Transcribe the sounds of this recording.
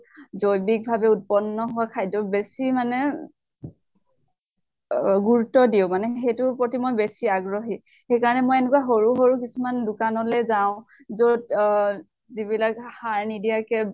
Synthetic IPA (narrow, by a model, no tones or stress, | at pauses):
zojbik̚bʱabɛut̚pɔnːɔɦʊwakʰajdɔɹbesimanɛ | ɡuɹutːɔdiʊ̃manɛxejtʊpɹotimojbesiaɡɹɔɦi | xejkaɹɔnɛmojɛnʊk̬waɦoɹuɦoɹukisumandʊkanɔlɛzaʊ̃ | zod | zibilakhaɹnidijakɛ